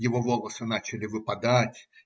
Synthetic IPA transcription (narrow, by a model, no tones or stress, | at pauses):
jɪvovolˠəsɨnat͡ɕɪlʲɪvɨpɐd̪atʲ